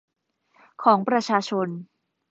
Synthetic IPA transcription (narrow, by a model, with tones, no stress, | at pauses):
kʰɔː˩˦ŋpɾa˧t͡ɕʰaː˧t͡ɕʰo˧n